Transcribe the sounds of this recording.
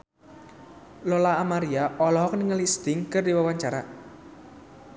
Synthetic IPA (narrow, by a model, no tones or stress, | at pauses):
lolaːmaɾiaʔɔlɔɦɔkniŋəlisdt̪ɪŋkɨrdiwawaɲt͡ʃaɾa